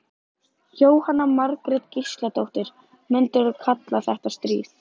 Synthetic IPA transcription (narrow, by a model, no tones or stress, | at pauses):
çoːwhanːamaɾkɾɛt̪cist̪lat̪owht̪ɪɾ̥ | mʏnt̪ɪɾaðkʰat̪laθɛht̪ast̪ɾḭːθ